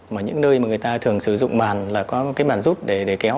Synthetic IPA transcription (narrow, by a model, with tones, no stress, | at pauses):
maː˨˩ɲɨ̰˧˥ŋnəː˧jma˨˩ŋɨ˨˩əjt̪aː˧t̪ʰɨ˨˩əŋsɨ˧˩zʊ̰˧˨ŋ͡mmaː˨˩nlaː˨˩kɔ˨˦kaː˨˦jɓaː˨˩nzu˦˥t̚ɗe˧˩ɗe˧˩kɛ˨˦w